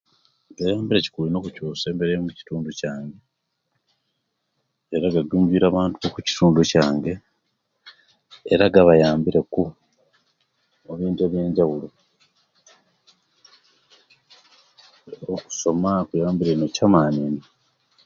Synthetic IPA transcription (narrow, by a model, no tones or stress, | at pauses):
ɡajaːmbiɾe̞ci̥kulino̞ːkucuːse̞ːmbeɾejomuci̥tuːnducaːŋɡe̞ | ɾaɡaɡuːɲɟwiːɾaːβaːntuβokuci̥tuːnducaːŋɡe̞ | ɾaɡaβajaːmbiɾe̞ku | oβiːnte̞βje̞ːɲɟawulo | oku̥so̞makujaːmbiɾenocamaːnini